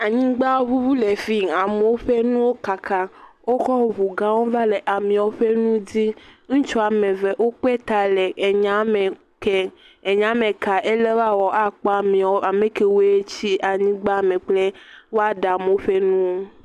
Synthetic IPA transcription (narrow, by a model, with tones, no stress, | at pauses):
a˨ɲĩ˦ɡ͡ba˦βu˦vu˦le˨fi˦a˨me˨o˦ɸe˦nũ˦wo˦ka˨kʰa˦wo˦xɔ˦βu˨ɡã˦wo˦va˦le˨ʔa˨mĩ˨wo˦ɸe˦nũ˦di˦ŋ̩̃˦t͡ʃɔ˦a˨me˨ve˨ʔwo˦k͡pe˦t̪a˨le˨ɲa˦me˨ | ke˦ | e˨ɲã˦me˨ka˨ʔe˦le˦wa˦wɔ˨ʔa˨k͡pɔ˦a˨mĩ˨ɔ˦a˨me˨ke˨wo˦e˦t͡ɕi˦ʔa˨ɲĩ˦ɡ͡ba˦˨mẽ˨k͡ple˦wo˦a˦ɖa˨me˨o˦ɸe˦nũ˦wo˦